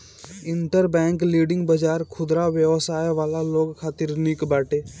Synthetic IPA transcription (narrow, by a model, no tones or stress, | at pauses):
ɪɳʈəɾbɛ̃ːŋkliːɖɪ̃ŋɡbəd͡ʒaːɾkʰʊd̪ɾaʋjəʋəsaːjʋaːlaloːɡkʰaːt̪ɪɾniːkbaːʈeː